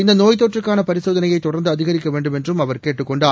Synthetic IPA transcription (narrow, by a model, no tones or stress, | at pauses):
ɪnd̪ɐnoːjt̪ːoːʈrɯkːaːnɐpɐɾɪsoːðɐnɐjɐɪt̪ːʊɽɐnd̪ɯɐðɪɣɐɾɪkʲːɐʋeːɳɖɯmɛndrɯmɐʋɐɾkeːʈːɯkːɔɳɖaː